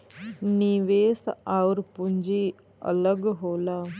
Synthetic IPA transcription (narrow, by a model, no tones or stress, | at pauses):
niʋeːsaʋɾpuɲd͡ʒi | ə̰ləɡɦoːla